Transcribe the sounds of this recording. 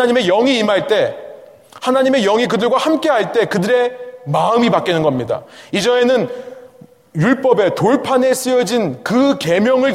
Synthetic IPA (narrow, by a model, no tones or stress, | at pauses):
ɲime̞jʌŋiːmaɭt͈e̞ | hanaɲime̞jʌŋik̬ɯdɯɭɡwahamk͈e̞ɦaɭt͈e̞kɯdɯɾe̞maɯmipak͈inɯnɡʌmɲida̰id͡ʑʌe̞nɯn | juɭp͈ʌbe̞toɭpʰane̞s͈ɯjʌd͡ʑinkɯke̞mjʌŋɯɭ